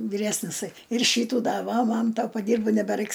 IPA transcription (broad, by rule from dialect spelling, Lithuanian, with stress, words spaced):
ʋʲɪˈrʲæːsʲnʲɪsɐɪ ɪr ˈʃʲiːtuː dɐ ˈʋɐ ˈmɐn tɐ pɐˈdʲiːrboː nʲɛbʲɛˈrɐɪks